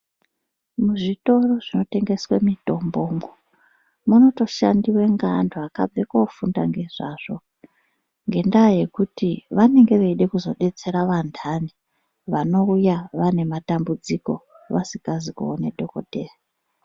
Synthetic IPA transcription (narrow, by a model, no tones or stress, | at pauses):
muʐito̞ro̞ʐino̞te̞ŋɡe̞swemito̞mbo̞ːŋo | muno̞to̞ʃa̰ndiwe̞ŋɡandʰoaka̰b͡vekofunda̰ŋɡe̞ʐaʐ̥o̞ | ŋɡe̞ndaːje̞kutiʋane̞ŋɡe̞ʋeiɗe̞kuzo̞ɗe̞t͡se̞ɾaʋandʰani | ʋano̞ujaʋane̞matambud͡ziko̞̰ | ʋasikazikuoneɗʱo̞ko̞̰deːra